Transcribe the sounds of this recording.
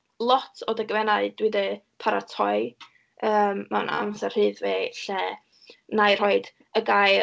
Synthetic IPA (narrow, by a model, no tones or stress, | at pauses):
lˠɔtʰodəɡəvɛnaɨdwɪdɨ | pʰaɾatʰɔɨ | əːmːana̰msɛr̥hɨːðveɬɛ | najr̥ɔɨd̥ | əɡaj